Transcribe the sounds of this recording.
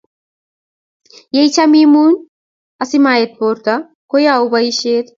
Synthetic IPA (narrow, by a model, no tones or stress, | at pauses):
jejt͡ʃʰamimun | ɐsimajet̪̚boːɾt̪a | kojaubɐjiʃet̪